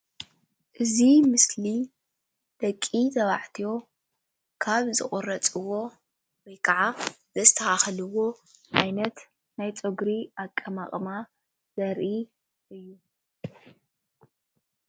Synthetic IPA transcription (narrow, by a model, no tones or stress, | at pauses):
ʔɨzimɨsli | d̪̥ɐkʼːizɐβa̰ʕt̪ʰijo̞ | kʰaβzɨχʼʊrɐt͡sʼɨwo̞ | wɔjkʰaʕa | zɐst̪ʰɐaxɐlɨwo̞ʕajnɐt̪ | najt͡sʼoɡɾiakʼːɐma̰χʼma | z̥ɐɾʔi | ɨjːu